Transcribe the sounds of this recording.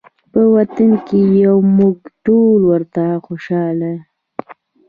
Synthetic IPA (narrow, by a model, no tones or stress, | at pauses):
pəwat̪ankejawmuɡʈolwəɾt̪axoʃɑla